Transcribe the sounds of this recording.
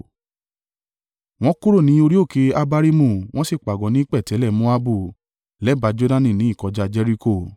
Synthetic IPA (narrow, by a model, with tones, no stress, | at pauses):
w̃ɔ̃˦ku˦ɾo˦˨nĩ˨˦o˧ɾi˦o˦˨ke˧a˦ba˧ɾi˦mũ˦˨w̃ɔ̃˦si˦˨k͡pa˨ɡɔ̃˨˦nĩ˦k͡pɛ˦˨tɛ˨˦lɛ˦˨mõ˦a˦bu˦˨ | lɛ˨˦ba˨˧d͡ʒo˦dã˦nĩ˦˨nĩ˨˦i˦˨kɔ˨˧d͡ʒa˧d͡ʒɛ˧ɾi˧ko˦˨